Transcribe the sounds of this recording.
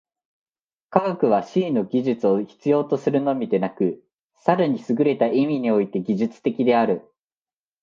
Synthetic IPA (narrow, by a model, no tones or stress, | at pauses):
kaɡakɯ̟β̞aɕiːno̞ɡʲiʑɨt͡sɨo̞çi̥t͡sɨjo̞ːt̪o̞sɨɾɯ̟no̞mʲid̪e̞nakɯ̟ | saɾaɲ̟isɨɡɯ̟ɾe̞t̪aʔimʲiɲ̟io̞it̪e̞ɡʲiʑɨt͡sɨ̥t̪e̞kʲid̪e̞aɾɯ̟